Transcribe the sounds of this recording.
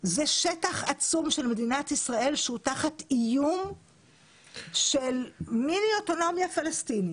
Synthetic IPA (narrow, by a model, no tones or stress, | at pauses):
zeʃetaχat͡sumʃe̞lme̞dinatisʁae̞lʃeutaχat̪ijum | ʃe̞lmilioto̞no̞mjafalestini